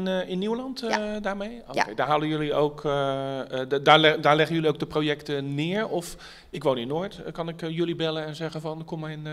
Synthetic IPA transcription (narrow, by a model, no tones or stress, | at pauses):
nɪnːiwəlɑntdaːɹmejo̰ːkkejdaːɦaːləjøliowk | daːlɛdaːɹlɛχənjøliowɡ̚dəprojɛktənɪːɹɔf | ɪkʋoːnɪnːoːjtkɑnɪkjølibɛlənɛnzɛχəvɑnkɔmɛjn